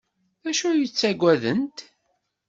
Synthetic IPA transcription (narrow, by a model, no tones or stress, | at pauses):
æʃujət͡sːæɡʷːæðənt̪